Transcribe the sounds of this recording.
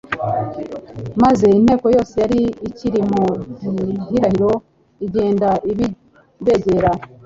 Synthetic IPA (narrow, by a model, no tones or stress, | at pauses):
maze̞in̥he̞ːko̞jo̞ːse̞jaɾiːciɾimoɟihiɾahiɾo̞ | iɟe̞ːndaiβi | de̞ɟe̞ɾa